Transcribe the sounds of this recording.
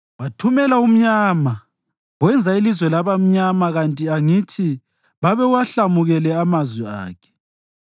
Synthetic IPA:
βatʰumɛlaum̩ɲama | ɣwɛnd͡zʱailizwɛlaβam̩ɲamaɣantʼiaŋitʰi | βaβɛuwaɬamuɣɛlɛamazwia̰ːkʰɛ̥

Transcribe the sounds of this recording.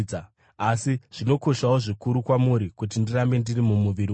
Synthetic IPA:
a | asiʐ̥ino̞ko̞ʃawo̞ʐikuɾukwamuɾikut̬indirambe̞ndirimumuʋiɾi

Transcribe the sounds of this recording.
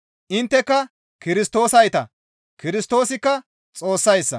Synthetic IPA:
ʔɪnt̪ːɛkːɐ | kɪɾɪst̪o̞ːsɐjt̪ɐ | kɪɾɪst̪o̞ːsɪkːɐ | t͡sʼo̞ːsːɐjsːɐ̰

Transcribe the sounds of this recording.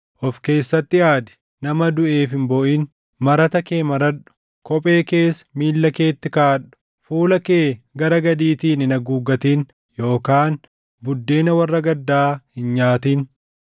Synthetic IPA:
ʔɔfke̞ːsːɐt̪ːɪjaːd̪ɛ̥ | nɐmɐd̪ʊʔe̞ːfɪmbɔʔin | mɐɾɐt̪ɐke̞ːmɐɾɐᶑʊ̥ | kɔpʼe̞ːke̞ːsmiːlːɐke̞ːt̪ːɪkaːᶑʊ̥ | fuːlɐkeːɡɐɾɐɡɐd̪iːt̪iːnɪnɐɡuːɡɐt̪iːn | jo̞ːkaːn | bʊd̪ːe̞ːnɐwɐrːɐɡɐd̪ːaːhɪnɲaːt̪iːn

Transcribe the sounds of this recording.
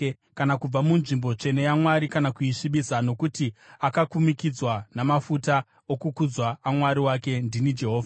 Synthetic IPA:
kanakub͡vamunʐimbo̞t͡ʃe̞ne̞jamwaɾikanakuiʂiɓisano̞kutiakakumikid͡zwanamafuta | okukud͡zwaːmwaɾiwake̞ndinid͡ʒe̞ɦoːva

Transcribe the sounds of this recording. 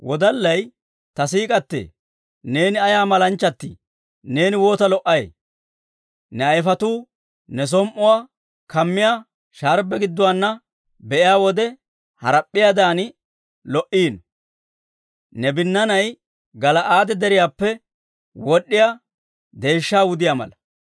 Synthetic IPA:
wɔd̪ɐlːɐj | t̪ɐsiːkʼɐt̪ːḛː | ne̞ːnɪɐjaːmɐlɐnt͡ʃːɐt̪ːḭ | ne̞ːnɪwo̞ːt̪ɐlɔʔːɐj̰ | nɛɐjfɐt̪uː | nɛs̬ɔmʔʊwaː | kɐmːɪjaː | ʃaːɾbɛɡɪd̪ːʊwaːnːɐ | bɛʔɪjaːwɔd̪ɛ | hɐ̰ɾɐpʼːɪjaːd̪aːnɪ | lɔʔiːn | nɛbɪnːɐnɐj | ɡɐlɐʔaːd̪ɛd̪ɛɾɪjaːpːɛ | wɔɗːɪja | d̪e̞ːʃːaːwʊd̪ɪjaːmɐ̰lɐ

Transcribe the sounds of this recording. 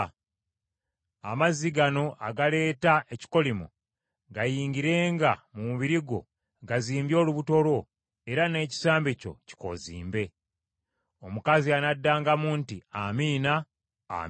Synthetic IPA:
a̰maziɡano̞ʔaɡale̞ːtaʔeci̥ko̞limu | ɡajiːŋɡiɾe̞ːŋɡamumuβiɾiɡo̞̰ | ɡaziːmbjo̞ːluβuto̞lwo̞ | e̞ɾane̞ːci̥saːmbeco̞̰ci̥ko̞̰zḭːmbe̞ | o̞mukazianadːaːŋɡamuːntiamiːna̰ː

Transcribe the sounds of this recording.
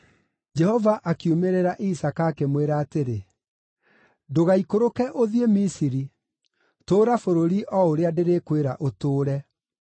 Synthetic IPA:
d͡ʒɛhɔvaʔakiumeɾeɾaʔisakakemweɾaːteɾe | doɣaikoɾokɛʔoðiemisiɾi | toːɾafoɾoɾiʔɔoɾeadeɾekweɾaʔotoːɾɛ

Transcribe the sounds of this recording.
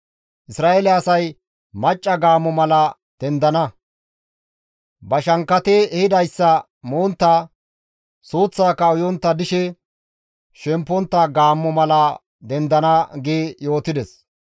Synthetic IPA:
ʔɪsɾaːʔelɛɐsɐj | mɐt͡ʃʼːɐɡaːmːɔmɐlɐ | d̪̥ɛnd̪ɐnɐ | bɐʃɐŋkːɐt̪eːhɪd̪ɐjsːɐ | moːnt̪ːɐ | soːt͡sːaːkːɐʊjɔnt̪ːɐd̪ɪʃɛ | ʃɛmpːɔnt̪ːɐɡaːmːɔmɐlɐ | d̪ɛnd̪ɐnɐɡeːjo̞ːt̪ɪd̪ɛs

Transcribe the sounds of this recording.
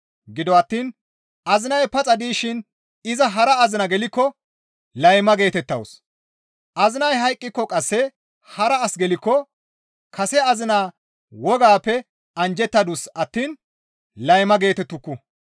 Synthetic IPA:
ɡɪd̪ɔɐt̪ːiːn | ʔɐzɪnɐjpɐt͡sʼɐd̪iːʃɪn | ɪzɐɦɐɾɐːzɪnɐɡɛlɪkːɔ | lɐjmɐɡe̞ːt̪ɛt̪ːɐ̰ws | ʔɐzɪnɐjɦɐjkʼːɪkːɔkʼɐsːɛ | hɐɾɐːsɡɛlɪkːɔ | kɐsɛɐzɪnaː | wɔɡaːpːɛ | ɐnd͡ʒɛt̪ːɐd̪usɐt̪ːiːn | lɐjmɐɡe̞ːt̪ɛt̪ːʊkːʊ

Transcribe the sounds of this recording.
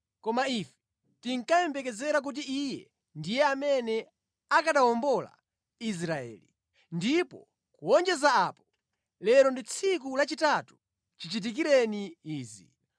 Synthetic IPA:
kɔmaifɛ̥ | tiŋkajɛmbɛkɛzɛɾak̬ut̬iijɛ | ndijɛamɛnɛ | akaɗawɔmbɔla̰ | is̬ɾaɛ̰ːli | ndipɔ | kuwɔnd͡ʒɛzaaːpɔ̥ | lɛɾɔndit͡sʰik̬ulat͡ʃitatu̥ | t͡ʃit͡ʃit̬ik̬iɾɛniiːzḭ

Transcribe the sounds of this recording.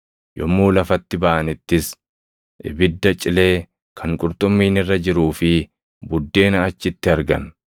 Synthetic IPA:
jʔɔmːuːlɐfɐt̪ːɪbɐʔɐnɪt̪ːɪs | ʔɪ̰bɪd̪ːɐt͡ʃʼɪle̞ː | kʰɐŋkʼʊɾt̪ʼʊmːiːnɪrːɐd͡ʒɪɾuːfɪ | bʊd̪ːe̞ːnɐːt͡ʃːɪt̪ːɪɐɾɡɐ̰n

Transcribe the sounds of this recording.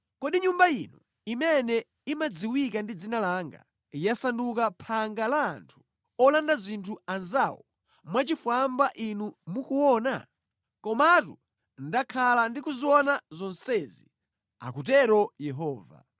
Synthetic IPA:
kɔɗiɲumbainu | imɛnɛ | imad͡ziwikandid͡zinalaŋɡa̰ | jasandukapʰaŋɡala̰ːntʰu̥ | ɔlandazintʰuanzawɔ | mwat͡ʃifwambaʔinumukuwɔːna | kɔmatu | ndakʰalandikuziwɔnazɔnsɛzi | a̰kut̬ɛɾɔjɛɦɔːva̰

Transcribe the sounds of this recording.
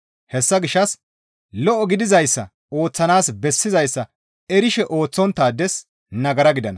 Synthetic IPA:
hɛsːɐɡɪʃːɐs | lɔʔɔɡɪd̪ɪzɐjsːɐ̰ | o̞ːt͡sːɐnaːsbɛsːɪzɐjsːɐ | ɛɾɪʃɛʔoːt͡sːɔnt̪ːaːd̪ːɛs | nɐɡɐɾɐɡɪd̪ɐnɐ

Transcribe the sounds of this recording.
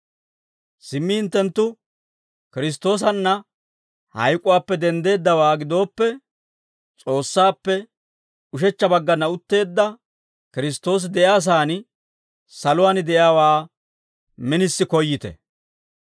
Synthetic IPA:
sɪmːɪhɪnt̪ːɛnt̪ːʊ | kɪɾɪs̬t̪ːo̞ːs̬ɐnːɐ | hɐ̰jkʼːʊwaːpːɛd̪ɛnd̪e̞ːd̪ːɐwaːɡɪd̪o̞ːpːɛ | t͡sʼo̞ːsːaːpːɛ | ʊʃɛt͡ʃːɐbɐɡːɐnɐʊt̪ːe̞ːd̪ːɐ | kɪɾɪst̪o̞ːs̬ɪd̪ɛjaːs̬aːnɪ | sɐlʊwaːnɪd̪ɛʔjaːwaː | mɪnɪsːɪkɔjːɪt̪ɛ̰

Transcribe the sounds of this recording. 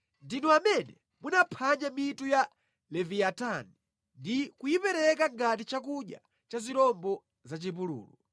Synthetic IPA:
ndinɔamɛnɛ | munapʰaɲamituja | lɛviatani | ndikujipɛɾɛkaŋɡat̬it͡ʃak̬uɗja̰ | t͡ʃaziɾɔmbɔ | zat͡ʃip̬ulṵːlu

